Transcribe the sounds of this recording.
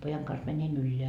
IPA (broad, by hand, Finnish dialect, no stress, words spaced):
pojɑŋ kɑns mænʲin ylːeæ